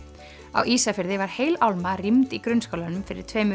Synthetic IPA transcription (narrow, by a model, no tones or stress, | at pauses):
a̰wʔiːsafɪɾðɪvaɾ̥heːjlawlmarimt̪ikɾʏnskowlanʏmfɪɾɪ̰ɾ̥t̪ʰveːjmʏ